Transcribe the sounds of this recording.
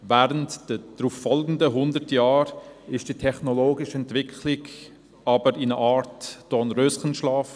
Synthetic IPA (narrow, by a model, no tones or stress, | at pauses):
væːɾəntd̥əd̪̥ɾuːfːɔlɡn̩dəɦʊndəɾtjɑːɾɪʃd̥itʰɛχnɔloːɡɪʃɛntv̥ɪkʰχlɪk | ɑbəɾinəʔɑːɾtd̥ɔnɾøsχənʃlɑːf